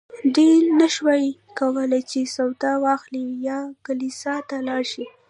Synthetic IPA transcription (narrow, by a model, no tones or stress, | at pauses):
ɖelnaʃwaj | kawəlajt͡ʃesawt̪awɑxlijɑkalisɑt̪alɑɾʃi